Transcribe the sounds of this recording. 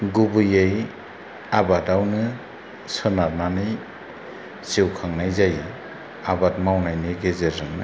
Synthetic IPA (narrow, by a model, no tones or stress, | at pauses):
ɡubɯjej | abadawnɯ | sɯnaɾnanɯj | siwkʰaŋnajzaj | abatmawnajnɯɡezeɾɯŋnɯ